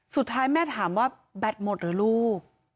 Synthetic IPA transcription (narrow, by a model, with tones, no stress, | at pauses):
su˨˩t̪ʰːaː˦˥jmɛː˥˩t̪ʰaː˩˦mwaː˥˩ | bɛ˨˩t̪̚mo˨˩t̪̚ɾɯː˩˦luː˥˩k̚